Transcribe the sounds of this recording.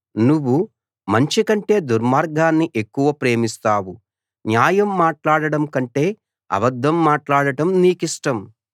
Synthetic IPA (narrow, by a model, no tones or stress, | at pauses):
nuʋːu | mɐɲt͡ʃikɐɳʈe̞ːd̪uɾmaːɾɡaːnːiʔe̞kːuʋɐpɾe̞ːmist̪aːwu | njaːjɐmːaːʈlaːɽɐɽɐmkɐɳʈe̞ː | ɐ̰bɐd̪ʱːɐmːaːʈlaːɽɐɽɐmniːkiʂʈɐm